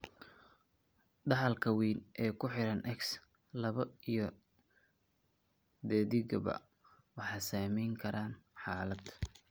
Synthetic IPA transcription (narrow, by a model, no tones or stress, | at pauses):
ɖɑħɑlkʰɐwiːnʔɛːkʰʊħɪɾɐnʔɛks | lɐβɐijɞ | d̪ɛːðɪɣɐbɐ̰ | wɑħɑjsaːmɛjŋkʰɐɾʔaːnħaːlɐd̪